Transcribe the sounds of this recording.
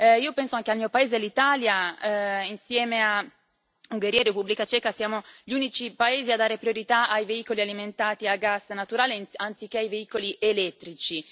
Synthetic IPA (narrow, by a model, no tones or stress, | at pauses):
iːopɛnsoaŋkealmiːopaeːzelit̪aːlja | insjɛːmea | uŋɡeɾiːaerepubːlikat͡ʃɛːkasjaːmoʎunit͡ʃipaeːziad̪ːaːɾepɾioɾit̪aajveiːkolialiment̪aːt̪iaɡasnat̪uɾaːlenant̪sik̟ːeajveiːkoliʔelɛt̪ːɾit͡ʃi